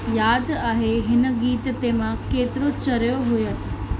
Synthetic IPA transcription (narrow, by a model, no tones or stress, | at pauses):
jaːd̪aːɦeɦɪnə̆ɡiːt̪t̪emãkeːt̪ɪɾot͡ɕɐɾjoɦʊjɐsũ